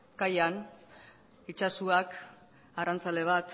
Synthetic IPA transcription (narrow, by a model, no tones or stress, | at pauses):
kajan | it͡ʃasuak | arant͡sale̞βat̪